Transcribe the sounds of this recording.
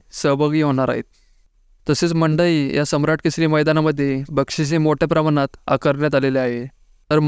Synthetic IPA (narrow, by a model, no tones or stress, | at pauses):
səɦbəɡiɦoɽ̃aɾa̰ɦḛt̪̚ː | əset͡sməɳɖəiːjasəmɾaʈkisɾiːməjd̪anaməd̪ʱːjebəkʂit͡ɕemoʈʰepɾamanat̪a̰kəɾɳjat̪aleleaɦe | t̪əɾ